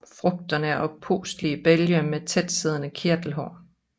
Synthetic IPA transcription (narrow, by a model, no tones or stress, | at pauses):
fʁɔ̽ɡ̥̚d̥ɐnəʔɒ̽pʰo̝̰ːsd̥liəb̥eljɐmet͡sʰed̥seð̞ˠnəkʰeɐd̥l̩ɦɒ̰ː